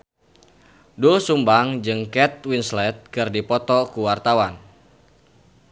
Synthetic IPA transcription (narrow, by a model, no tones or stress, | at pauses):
dulsumbaŋd͡ʒɨŋkɛt̪̚winslɛt̪̚kɨrdipɔt̪ɔkuwart̪awan